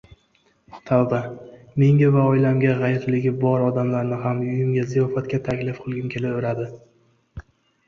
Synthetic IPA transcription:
ʊχt̪ʰald̪a | me̞ŋɡʲavaɒjlamɡʲaʁɑjɪɾlɪɡʲɪbɒɾɒd̪amlaɾnɪɦamʊjʊmɡʲazijɒfat̪̚kʲat̪ʰakʲlɪfqʰɨlˠɡʲɪmkʲʰe̞lɪoɾad̪ɪ

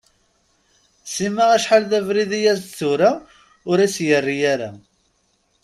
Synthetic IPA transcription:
simaʁæʃħalðævɾiðijæzθʊɾa | ʊɾisjərːijæɾa̰

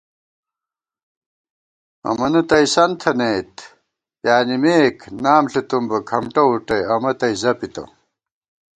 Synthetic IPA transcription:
ɐ̰mɐnɐt̪ɐisɐnt̪ʰɐnejt̪ | jaːnimeːkʰnaːmɬet̪umbɐkʰɐmʈɐuʈɐjɐmɐt̪ɐizɐpit̪ɐ̰

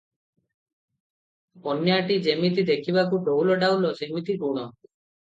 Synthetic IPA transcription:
ɔnjaʈid͡ʒemit̪̬id̪ekʰiβakuʈowlɔɖawlɔsemit̪ipuɽ̃ɔ

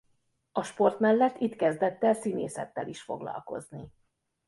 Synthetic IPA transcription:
ɒʃpo̞rt̪mɛlːɛt̪ːit̪kɛzd̪ɛt̪ːɛlsineːsɛt̪ːɛliʃfo̞ɡlɒ̰lko̞̰zni

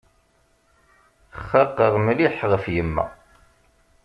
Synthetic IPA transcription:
əχːɑqːəʁmliħʁəfjəmːæ̰

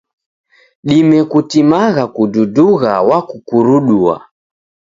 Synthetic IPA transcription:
ɗimɛkutimaɣakududuɣawakukuɾuɗua̰

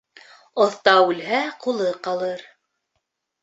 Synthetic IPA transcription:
ŏθt̪ɑʉlɦæqulˠɤqɑlˠɤɾ

